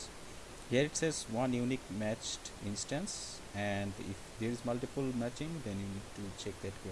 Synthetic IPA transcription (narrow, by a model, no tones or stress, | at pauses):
hiəɾɪʈsezʋʌ̃njuːnikmæt͡ʃʈɪ̃nsʈə̃ns | ɛɳɖɪ̰fd̪eːɾɪzmʌlʈipəlmæt͡ʃɪ̃ŋd̪ɛ̃njuniːɖ̚ʈut͡ʃek̚d̪æʈke